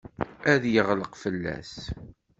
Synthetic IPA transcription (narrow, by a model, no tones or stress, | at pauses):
æðjəʁləqfəlːæ̰s